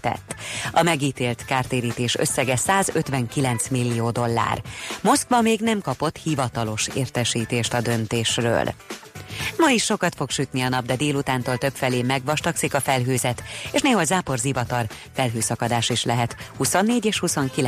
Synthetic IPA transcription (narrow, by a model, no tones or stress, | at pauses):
t̪ɛ̰t̪ːɒmɛɡiːt̪eːlt̪kaːrt̪eːɾiːt̪eːʃø̰sːɛɡɛsaːzøt̪ʋɛŋkilɛnt̪smilːioːd̪o̞lːa̰ːrmo̞skʋɒmeːɡnɛmkɒpo̞t̪hivɒt̪ɒlo̞ʃḛːrt̪ɛʃiːt̪eːʃt̪ɒd̪ø̞nt̪eːʃrø̰ːl | mɒiʃːo̞kɒt̪fo̞kʃyt̪niɒnɒb̚d̪ɛd̪eːlut̪aːnt̪oːlt̪ø̞pfɛleːmɛɡʋɒʃt̪ɒksikɒfɛlɦøːzɛt̪eːʃneːɦɒlzaːpo̞rzivɒt̪ɒl | fɛlɦøːsɒkɒd̪aːʃiʃlɛɦɛt̪husonːeːɟeːʃhuso̞ŋki